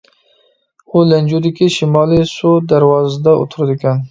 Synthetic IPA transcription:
ulɛnd͡ʒud̪ɪkʲiʃimɑːlisud̪aɾwɑːzd̪aʊ̰t̪ʰʊɾd̪ɪkʲʰan

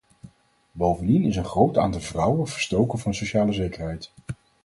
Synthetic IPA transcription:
bowvəndinɪs̬ənχrowta̰ːndəvrʌwəv̥əɹstowkənvɑnsowʃaːləzejkəɹɦɛjt

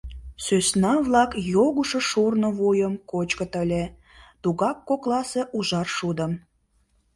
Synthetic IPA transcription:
søsnɑβlɑkjoɣuʃoʃurnə̆βojəmkot͡ɕkət̪əlʲe | t̪uɣɑkːoklɑseʔuʒɑrʃud̪əm

